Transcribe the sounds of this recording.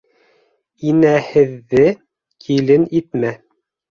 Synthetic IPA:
inæhɘ̆ðːɘ | kʰilɘnit̪mæ

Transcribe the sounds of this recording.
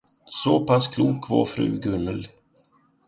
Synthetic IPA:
sɔpaskʰluːkvɑ̰ɾfɾʉ̟̰ːɡɵnːəl

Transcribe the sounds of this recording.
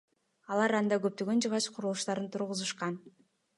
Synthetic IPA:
ɑlˠɑɾɑnd̪ɑɡøp̚t̪ø̞ɡø̞nd͡ʒɯʁɑt͡ʃqʰʊɾulˠuʃt̪ɑɾɯnt̪ʰuɾʁuzuʃqɑn

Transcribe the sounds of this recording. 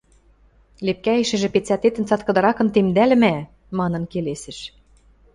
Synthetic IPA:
lep̚kæĕʃɘ̆ʒĕpet͡sæt̪et̪ɘ̆nt͡sɑt̪̚kɤ̆d̪ɤ̆ɾɑkɤ̆nt̪emd̪ælɘ̆mæ | mɑnɤ̆nkelesɘ̆ʃ

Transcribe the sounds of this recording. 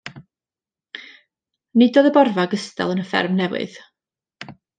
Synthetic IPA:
nɨdoːðəbɔrvaɡəstɛ̰lˠənəfɛ̰rmnɛwɨ̰ð̥

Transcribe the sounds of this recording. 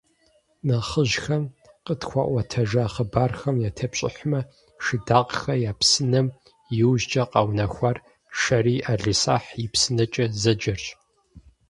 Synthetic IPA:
nɐχəʒxɐm | qətxʷɑ̰ʔʷɐtʰɐʒɐːχəbaːrxɐmjaːtʰɐpɕʼɪ̰ħʷmɐ | ʃɨdaːqxɐjaːpsɨnɐm | jɪwʑd͡ʒʼɐqʼɑwnɐxʷɐr | ʃɐɾiːʔaɮisa̰ːħjɪpsɨnɐt͡ʃʼɐzɐd͡ʒɐrɕʼ

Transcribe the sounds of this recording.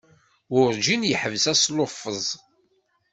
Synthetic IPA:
ʊɾd͡ʒinjəħəvsæslofːəzˤ

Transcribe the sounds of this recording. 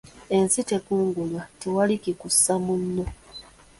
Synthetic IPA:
e̞nsitekuːŋɡulwatewalikikusːamunːo̞

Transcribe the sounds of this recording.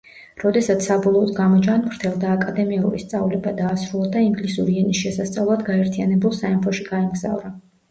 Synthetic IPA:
ɾɔd̪ɛsat̪sʰsabɔlˠɔːd̪ɡamɔd͡ʒanmɾt̪ʰɛlˠd̪aːkʼad̪ɛmiɛṵɾḭst̪sʼavlɛbad̪aːsɾulˠad̪aiŋɡlisuɾiɛnisʃɛsast̪sʼavlˠad̪ɡaɛɾt̪ʰijanɛbulˠsaɛmpʰɔʃiɡaɛmɡza̰vɾa

